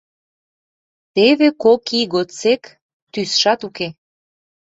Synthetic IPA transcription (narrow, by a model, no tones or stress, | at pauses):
t̪eβekokiɣot͡sek | t̪ysʃɑt̪uke